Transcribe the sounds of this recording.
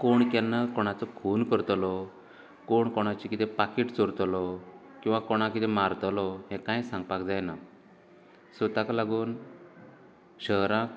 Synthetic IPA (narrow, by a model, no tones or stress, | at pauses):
koɳk̪janːakɔɽ̃at͡sɔkʰuːnkəɾt̪lɔ | koɳkɔɽ̃at͡ɕikit̪ɛ̃pakiʈt͡sɔɾt̪lɔkĩw̃ʋakoɽ̃ãkit̪ɛmaɾt̪lɔɦɛ̃kãjsãŋɡ̚pakd͡zajna | sət̪aklaɡuːn | ɕəɦɾãk